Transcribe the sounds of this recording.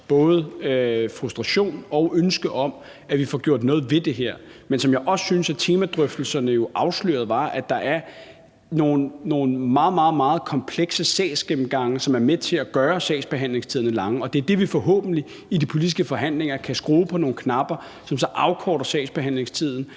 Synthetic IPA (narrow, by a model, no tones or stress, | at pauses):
b̥ɔ̽ːð̞ˠəøfʁusd̥ʁɑ̈ɕo̝̰ːnɒ̽ʊʔønsɡ̥əʔɒ̽m | æʋifɒɡ̥jo̝ɐ̰d̥nɔ̽ːð̞̩ˠʋe̝d̥e̝ɦeɐ̰mensɒ̽mjɑ̈ɪʔɒ̽ssynsæt͡sʰe̝ːmæd̥ʁœfd̥l̩sɐnəjo̝ʔɑ̈ʊslø̰ːɐðˠʋɑ̈ʔæd̥ɑ̈ʔæɐ | no̝ːn̩ːo̝ːn̩mɑ̈ːð̩ˠmɑ̈ːð̩ˠmɑ̈ːð̩ˠkʰɒ̽mpʰleɡ̥səsɛ̰ːsɡ̥emm̩ɡ̥ɑ̈ŋəsɒ̽mæɐmet͡sʰe̝æɡ̥ɶːɐsɛ̰ːɪsb̥e̝ɦæn̰le̝ŋst͡sʰiðˠnəlɑ̈ŋəɒ̽d̥e̝æɐd̥e̝ʋifɒ̽ɦɔ̰̽ːb̥n̩li | idipʰo̝lid̥isɡ̥əfɒ̽ɦæn̰le̝ŋɐkʰæsɡ̥ʁoːpʰɒ̽no̝ːnkʰnɑ̈b̥ɐ | sɒ̽msɒ̽ʔɑ̈ʊkʰɒ̰ːɾɐsɛ̰ɪsb̥eɦæn̰le̝ŋst͡sʰið̞̰ˠn̩